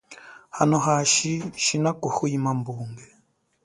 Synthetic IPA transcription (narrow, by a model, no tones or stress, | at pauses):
hanoɦaʃiʃinakuhuimambuːŋɡe